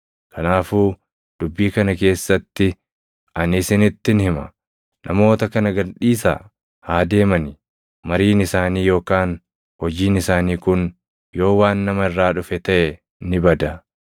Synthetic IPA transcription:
kʰɐnaːfuː | d̪̥ʊbːiːkɐnɐke̞ːsːɐt̪ːɪ | ʔɐnɪsɪnɪt̪ːɪnhɪmɐ̰ | nʔɐmo̞ːt̪ɐkɐnɐɡɐᶑiːsa̰ː | haːd̪e̞ːmɐnɪ | mɐɾiːnɪsaːniːjo̞ːkaːn | hɔd͡ʒiːnɪsaːniːkʊn | jo̞ːwaːnːɐmɐɪrːaːᶑʊfɛt̪ɐʔɛ | nɪbɐd̪ɐ

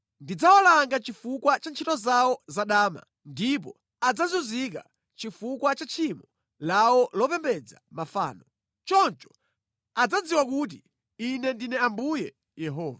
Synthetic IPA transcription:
ndid͡zawalaŋɡat͡ʃifukwat͡ʃant͡ʃʰitɔzawɔzaɗaːma̰ | ndip̬ɔ | ad͡zazuzika̰ | t͡ʃifukwat͡ʃat͡ʃʰimɔ | lawɔlɔpɛmbɛd͡za̰mafa̰ːnɔ | t͡ʃɔnt͡ʃɔ̥ | ad͡zad͡ziwakut̬i | inɛndinɛambujɛ | jɛɦɔːva

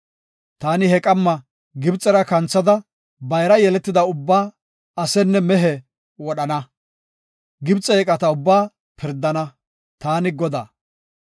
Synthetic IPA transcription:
t̪aːnɪhɛkʼɐmːɐ | ɡɪbt͡sʼːɛɾɐkɐnt͡sːɐd̪ɐ | bɐjɾɐjɛlɛt̪ːɪd̪ɐʊbːaː | ɐsɛnːɛmɛɦɛ | wɔɗɐnɐ | ɡɪbt͡sʼːɛɛkʼɐt̪ɐʊbːaː | pʰɪɾd̪ːɐnɐ | t̪aːnɪɡɔd̪aː

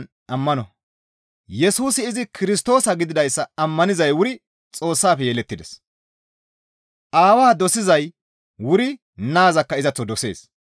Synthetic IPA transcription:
n | ʔɐmːɐnɔ | jɛsuːsɪːzɪkʰɪɾɪst̪o̞ːsɐɡɪd̪ɪd̪ɐjsːɐɐmːɐnɪzɐjwʊɾɪ | t͡sʼo̞ːsːaːfɛjeːlɛt̪ːɪd̪ɛs | ʔaːwaːd̪ɔsɪzɐj | wʊɾɪ | naːzɐkːɐɪzɐt͡sːɔd̪ɔse̞̰ːs

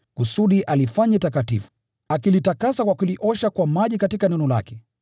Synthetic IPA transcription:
kusuɗiʔalifaɲatakatḭfu̥ | akilitakasakwakuliʔɔʃakwamaʄikatikanɛnɔla̰kɛ

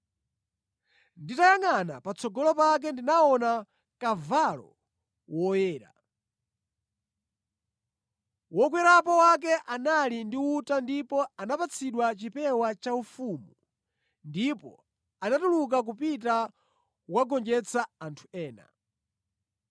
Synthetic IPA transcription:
nditajaŋana̰pat͡sʰɔɡɔlɔpak̬ɛndinaɔna | kavalɔ̰ | wɔjɛːɾa̰ | wɔkwɛɾapɔwak̬ɛʔanalindiutandipɔanapat͡sʰiɗwat͡ʃipɛwat͡ʃaufumu | ndipɔ̰ | anatuluk̬ak̬upita | waɡɔnd͡ʒɛt͡sʰaantʰu̥ɛːna̰

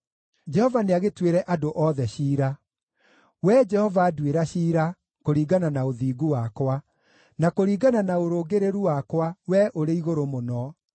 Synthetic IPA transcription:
d͡ʒɛhɔvaneaɣetweɾɛʔadoʔɔðɛɕiːɾa | wɛd͡ʒɛhɔvaːdweɾaɕiːɾa | koɾiːɡananaoðiːɡuwakwa | nakoɾiːɡananaoɾoːɡeɾeɾuwakwawɛʔoɾeiɣoɾomonɔ

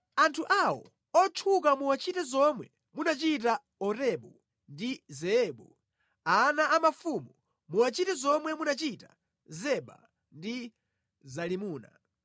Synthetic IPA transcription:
antʰuʔawɔ̰ | ɔt͡ʃʰukamuwat͡ʃitɛzɔmwɛ | munat͡ʃit̬a | ɔɾɛɓu | ndizɛɛːɓu | anaʔamafumu | muwat͡ʃitɛzɔmwɛmunat͡ʃita̰ | zɛɓa̰ | ndi | zalimuːna̰

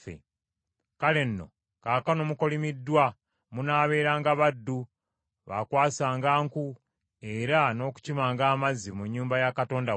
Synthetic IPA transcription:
fḛ | kale̞nːo̞̰ | kaːkanomuko̞limidːwa | munaːβe̞ːɾaːŋɡaβadːu | βa̰kwaːsaːŋɡaːŋku | eɾano̞ːku̥cimaːŋɡaːmazimuɲːuːmbajakato̞ːnda

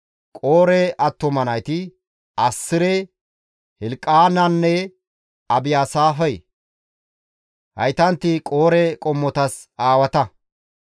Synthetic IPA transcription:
kʼoːɾɛʔɐt̪ːɔmɐnɐjt̪ɪ | ɐsːɪɾɛ | hɪlkʼːaːnɐnːɛ | ɐbɪjaːsaːfɐj | hɐ̰jt̪ɐnt̪ːɪkʼo̞ːɾɛkʼɔmːɔt̪ɐs | aːwɐt̪ɐ

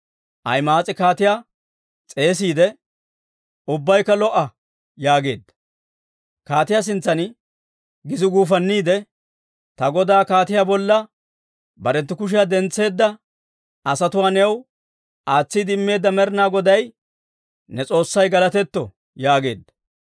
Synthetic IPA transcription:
ʔɐjmaːt͡sʼɪkaːt̪ɪjaː | t͡sʼe̞ːs̬iːd̪ɛ | ʊbːɐjkːɐlɔʔɐ | jaːɡe̞̰ːd̪ːɐ̥ | kaːt̪ɪjaːs̬ɪnt͡sːɐn | ɡɪzɪɡuːfɐnːiːd̪ɛ | t̪ɐɡɔd̪aːkaːt̪ɪjaːbɔlːɐ | bɐɾɛt̪ːɪkʊʃ̬ɪjad̪ɛnt͡sːe̞ːd̪ːɐ | ɐsɐt̪ʊwaːnɛw | ʔaːt͡sːid̪ɪmːe̞ːd̪ːɐmɛɾnaːɡɔd̪ɐj | nɛt͡sʼo̞ːsːɐjɡɐlɐt̪ɛt̪ːɔ | jaːɡe̞ːd̪ːɐ̥

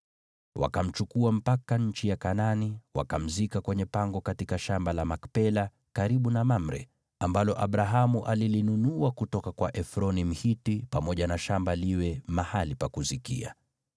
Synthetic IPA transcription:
wa̰kam̩t͡ʃukuam̩pakaɲ̩t͡ʃijakananiwa̰kam̩zikakwɛɲɛpaŋɡɔkatikaʃambalamakpɛla | kaɾiɓunamam̩ɾɛ̰ | ambalɔʔaɓɾaɦamuʔalilinunuwakutɔkakwaʔɛfɾɔnim̩hitipamɔʄanaʃambaliwɛmahalipakuzikḭa̰

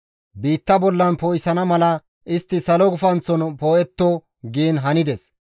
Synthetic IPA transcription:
biːt̪ːɐbɔlːɐnpoːjɪsɐnɐmɐlɐ | ʔɪst̪ːɪsɐlɔɡʊfɐnt͡sːɔnpoːɛt̪ːɔ | ɡiːnɦɐnɪd̪ɛs

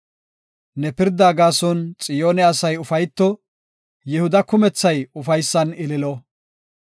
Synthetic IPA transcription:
nɛpɪɾd̪aːɡaːsɔnt͡sʼɪjo̞ːnɛɐsɐjʊfɐjt̪ːɔ | jɪhʊd̪ɐkʊmɛt͡sːɐjʊfɐjsːɐnɪlɪlɔ

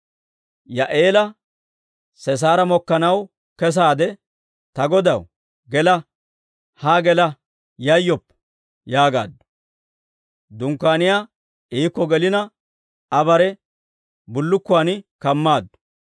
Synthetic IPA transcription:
jɐʔeːlɐ | sɛs̬aːɾɐmɔkːɐnɐw | kɛs̬aːd̪ɛ | t̪ɐɡɔd̪ɐw | ɡɛlɐ | haɡɛlɐ | jɐjːɔpː | jaːɡa̰ːd̪ːʊ̥ | d̪ʊŋkːaːnɪjaː | iːkːɔɡɛlɪnɐ | ɐbɐɾɛ | bʊlːʊkːʊaːnɪkɐmːaːd̪ːʊ̥

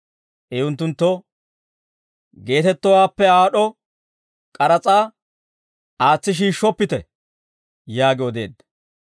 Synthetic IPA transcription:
ʔɛʊnt̪ːʊnt̪ːɔ | ɡe̞ːt̪ɛt̪ːɔwaːpːɛaːɗɔ | kʼɐɾɐt͡sʼaː | aːt͡sːɪʃ̬iːʃːɔpːɪt̪ɛ | jaːɡɪɔd̪e̞ːd̪ɐ

